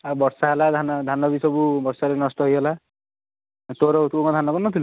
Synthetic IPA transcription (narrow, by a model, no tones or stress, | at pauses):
abɔɾsaɦelad̪ʱanɔd̪ʱanɔbisɔbubɔɾsaɾenɔst̪ɔɦjɦela | t̪oɾɔt̪okɔd̪ʱanɔkɔnːɔt̪ʰilu